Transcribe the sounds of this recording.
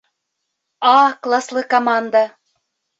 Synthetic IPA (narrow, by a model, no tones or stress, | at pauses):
ɑklˠaslˠɤkɐmand̪ə